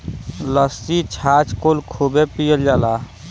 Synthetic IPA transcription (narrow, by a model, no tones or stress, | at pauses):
ləsit͡ʃʰat͡ʃkolkʰobepijəld͡ʒaːla